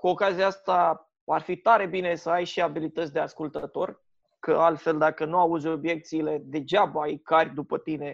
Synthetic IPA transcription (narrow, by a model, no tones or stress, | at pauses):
kuo̞kaziaast̪a | arfit̪aɾe̞bine̞səajʃiabilit̪ət̪sʲd̪e̞askult̪ət̪o̞r | kə̰alt̪fe̞ld̪akənuauzʲo̞bje̞k̚t̪siːle̞d̪e̞d͡ʒabəaijkarʲd̪upət̪ine̞